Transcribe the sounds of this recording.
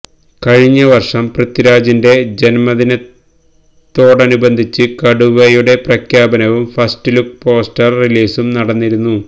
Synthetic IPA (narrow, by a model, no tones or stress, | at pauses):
kɐɻiɲːɐʋɐrʂɐmprɐt̪iɾaːd͡ʑinde̞d͡ʑe̞nmɐðinɐt | t̪ːo̞ːɽɐnubɐnd̪ʱit͡ɕːɨkɐɽuʋɐjuɽe̞prɐkʰjaːbɐnɐʋumfɐstiluk̚po̞ːsʈɐrriliːsumnɐɽɐnːiɾunːu